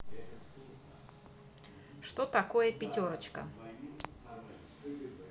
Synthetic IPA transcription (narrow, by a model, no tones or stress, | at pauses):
ʂt̪ot̪ɐkojəpʲɪtʲoɾət͡ɕkə̰